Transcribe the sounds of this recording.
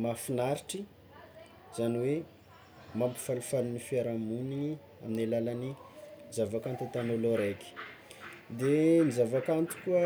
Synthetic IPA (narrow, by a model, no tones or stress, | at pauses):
mafinaɾiʈ͡ʂi | z̥aniwe | mampi̥falufalunifiaɾamuni | aminalalanizavakant̪it̪anoloɾajki̥ | d̪enizavakant̪i̥kuə